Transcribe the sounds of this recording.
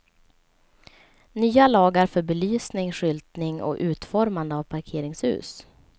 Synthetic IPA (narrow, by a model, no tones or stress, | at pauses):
nyːalɑːɡaɾfœɾbɛlyːsnɪŋɧʏlt̪nɪŋɔ̰ʔʉ̟ːt̪fɔɾmand̪əavpʰaɾkʰeːɾɪŋshʉ̰ːs